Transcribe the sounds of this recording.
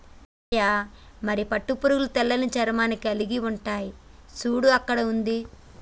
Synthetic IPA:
jaːmɐɾipɐʈːupuɾuɡulut̪ɛlːɐnut͡ʃɐɾmaːnikiɐliɡiuɳʈaːjisuːɽuɐkːɐɽɐund̪i

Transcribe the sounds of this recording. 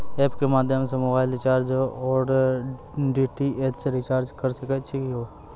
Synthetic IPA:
eːpkemaːd̪ʱjəmsemoːbaːɪlɪt͡ʃaːɾd͡ʒɦoɔːɾ | ɖiːʈiʔet͡ʃɾɪt͡ʃaːɾd͡ʒkɐɾsɐket͡ʃʰikɦoː

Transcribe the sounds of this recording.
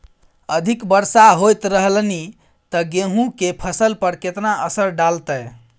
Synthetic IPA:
əd̪ʱikbəɾsaɦojt̪ɾəɦlni | t̪əɡeɦũkepʰəsəlpəɾket̪naʔəsəɾɖalt̪əj

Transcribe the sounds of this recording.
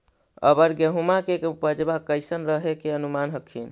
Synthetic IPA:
ə̰bəɾɡəɦumakekupəd͡ʒbakəjsənɾəɦekeənumanɦəkʰːin

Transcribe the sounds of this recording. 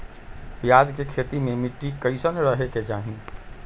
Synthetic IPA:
pjad͡ʒkekʰeːt̪imẽmɪʈːikəɪsənɾəɦeket͡ʃaːɦĩ

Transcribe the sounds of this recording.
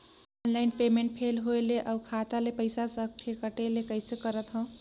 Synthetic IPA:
ɔnlaɪnpemeɳʈ̚pʰelɦoeleʔaukʰat̪alepəɪsasə̃pʰekəʈelekəɪsekəɾət̪ɦɔ̃

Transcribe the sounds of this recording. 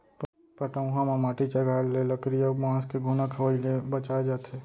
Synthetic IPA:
pəʈaũɦãmamaːʈit͡ʃaɡʱaːlːeləkɾijamãːskeɡʱunakʰəʋəilebɐt͡ʃaːed͡ʒaːt̪eː

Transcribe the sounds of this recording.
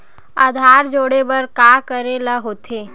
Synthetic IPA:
ad̪ʱaːɾd͡ʒoːɽebɐɾkaːkəɾelaɦoːt̪ʰeː

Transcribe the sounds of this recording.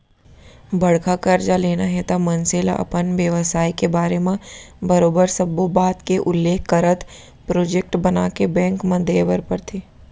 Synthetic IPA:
bɐɽkakəɾd͡ʒaleːnaɦɛt̪amɐnseːla̰ʔɐ̰pənʋjəʋsaːikebaːɾemẽbɐɾoːbəɾsɐbobaːt̪keʔʊlːeːkʰːəɾət̪ | pɾoːd͡ʒek̚ʈbɐnaːkebɛ̃ːŋkmɐ̃d̪ʱeːʋəɾpəɾt̪ʰeː

